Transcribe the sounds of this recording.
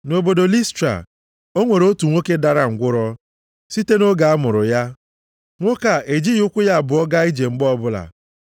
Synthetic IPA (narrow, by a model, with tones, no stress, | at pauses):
no˨bo˨do˨li˦stɾa̰˨ | o˦ŋʷe˨ɾo˦tu˨ŋʷo˦ke˦da˦˨ɾa˦ŋ̩˨ɡʷʊ˦ɾɔ˦ | si˦te˦no˦ɡa˨a˦mʊ˨ɾʊ˨ja˦ | ŋʷo˦ka˨ʔe˨d͡ʒi˦jʊ˦kʷʊ˦ja˦˨bʊ˨ɔ˦ɡa˦i˦d͡ʒe˨ŋ͡m̩˦ɡ͡bɔ˦bʊ˦la̰˨